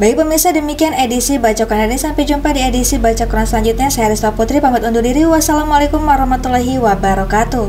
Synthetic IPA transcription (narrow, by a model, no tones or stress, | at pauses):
baik̚pəmirsahdəmikianedisibat͡ʃakananisampɛd͡ʒumpadiedisibat͡ʃakuɾaŋslaɲd͡ʒut̪̚ɲasaaɾist̪aput̪ɾipamat̪undudiɾiwasalamalekumwaɾɔhmat̪ulaɦiwabaɾɔkat̪u